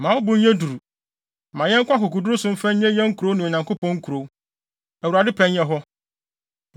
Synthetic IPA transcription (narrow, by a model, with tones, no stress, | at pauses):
mã˨wʊ˦bʊ̃˦ɲ˦ɲɛ̃˦du˨ɾu˨ | mã˨jɛ˦ŋ̩˦kʷa˦kʊ˨ku˨du˦ɾʊ˦sʊ̃˦m̩˦fɛ̃˦ɲɛ̃˦jɛ̃˦ŋ̩˦kʰu˨ɾo˨˦nʊ̃˨ɲã˨ŋko˦pʰɔ̃˦ŋ̩˦kʰu˨ɾo˨˦ | æ˨wu˨ɾa˨dɪ˦pʰɛ̃˦njɛ˦ɦɔ˦